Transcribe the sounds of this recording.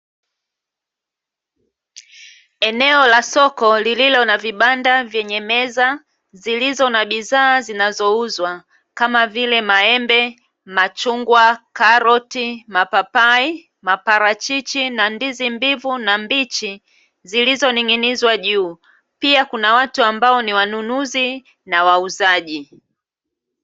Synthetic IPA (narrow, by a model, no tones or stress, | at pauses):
ɛnɛɔlasɔkɔlililɔnaviɓandavjɛɲɛmɛza | zilizɔnaɓizaːzinazɔuzwa | kamavilɛmaɛmbɛ | mat͡ʃuŋɡwakaɾɔtimapapai | mapaɾat͡ʃit͡ʃinandizimbivunambit͡ʃi | zilizɔniŋinizwaʄuː | piakunawatuambaɔniwanunuzi | nawauzaʄi